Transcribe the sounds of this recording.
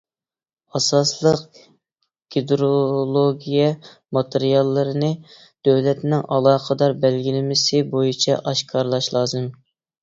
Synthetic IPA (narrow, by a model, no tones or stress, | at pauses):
ɑsɑslˠəq | ɡ̥ʲid̪ɾolˠoɡʲijɛ | mɑt̪ʰeɾijɑlˠːɨɾɨnɨ | d̪̥øwlɛt̪nɪŋɑlˠɑːqʰəd̪ɑɾbælɡʲilɪmɪsɪbojit͡ʃʰɛʔɑʃkʰɑɾlˠɑʃlˠɑːzɨm